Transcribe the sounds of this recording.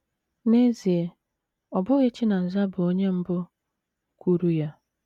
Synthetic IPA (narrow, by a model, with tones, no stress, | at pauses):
ne˦zi˨e˨ | ɔ˨bʊ˦ɣɪ˦t͡ʃi˦na˨n̩˨za˦bʊ˨o˦ɲe˦m̩˦bʊ˦ | kʷu˦ɾu˦ja˦